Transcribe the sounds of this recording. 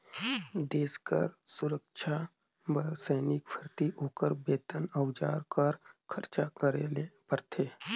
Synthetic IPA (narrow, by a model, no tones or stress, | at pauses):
d̪eːskə̰ɾsʊɾəkʃʰa | bəsəːnɪkpʰəɾt̪iʔoːkəɾbeːt̪ənəwd͡ʒa̰ːɾkəɾkʰəɾt͡ʃakəɾelepəɾt̪ʰeː